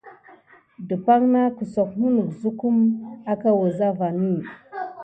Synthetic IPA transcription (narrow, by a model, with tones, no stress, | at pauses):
du˨pa˦ŋna˦ku˨so˨kmu˦nu˨kzu˦ku˦ma˦ka˦wa˨za˦va˨ni˦˨